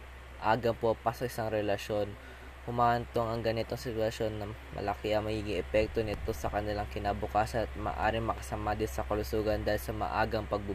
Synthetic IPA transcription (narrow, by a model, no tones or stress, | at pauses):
ʔaːɡɐmpopasɐʔɪsaŋɾɛlɐʃo̞n | hʊmaːʔɐnt̪o̞ŋɐŋɡɐnɪt̪o̞ŋsɪt̪wɐʃo̞nːɐmɐ̰lɐkɛʔɐŋmɐɡiɡɪʔɛpɛk̚t̪o̞nɪt̪o̞sɐkɐnɪlaŋkɪnabʊkaːsɐnɐt̪̚ma̰ːʔa̰ːɾɪŋmɐkɐ̥samaːd̪ɪnsɐkɐlʊsuːɡɐnd̪aːhɪlsɐmɐ̰ʔa̰ːɡɐŋpɐɡ̚bʊ